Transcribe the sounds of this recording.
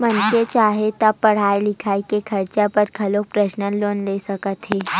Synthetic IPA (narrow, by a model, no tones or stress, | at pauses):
mənket͡ɕaɦet̪apəɽ̤ajlikʰaikekʰəɾt͡ʃapəɾkʰəlopɾəɕnəloːnlesəkət̪ɦe